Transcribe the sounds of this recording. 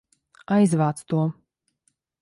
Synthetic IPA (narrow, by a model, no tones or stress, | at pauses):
ajzvaːt̪st̪uɔ